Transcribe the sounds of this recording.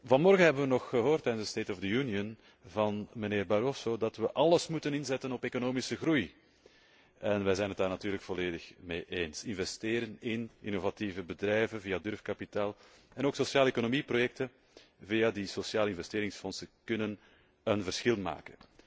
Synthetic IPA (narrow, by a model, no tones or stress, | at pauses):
vɑnmɔrɣənɦɛbənʋənɔxəɦoːrtːɛjnzəsteːtɔvdəjuniən | vɑnməneːrbɑɾosoːdɑtʋəʔɑləsmutənɪnzɛtənɔpeːkonoːmɪsəɣruj | ɛnʋɛjzɛjnɦət̚daːrnatyːɾrləkfɔleːdəxmeːʔeːnsɪnvɛsteːɾənɪnʔɪ̰novativəbədrɛjvənviːadʏrfkɑpitaːlˠ | ɛnoːksosjaːləekonomiprojɛk̚tə | viːadisosjaːləɪnvɛsteːɾɪŋsfɔnsəkʏnən | ənvərsxɪlˠma̰ːkən